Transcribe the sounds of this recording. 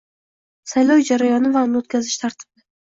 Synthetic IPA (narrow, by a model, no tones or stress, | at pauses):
sajlˠɒwd͡ʒaɾajɒnɪvanːot̪̚kʲʰazɪʃt̪ʰaɾt̪ʰɪ̥bɪd̪a